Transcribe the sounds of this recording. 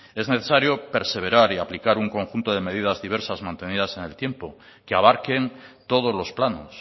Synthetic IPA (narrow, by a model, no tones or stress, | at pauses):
e̞zne̞θe̞saɾjo̞pe̞ɾse̞β̞e̞ɾaɾiaplikaɾuŋko̞ŋxunt̪o̞ðe̞me̞ð̞iðazðiβ̞e̞ɾsazmãnt̪e̞nið̞ase̞ne̞lt̪je̞mpo̞ | keaβaɾke̞nt̪o̞ð̞ozlo̞splano̞s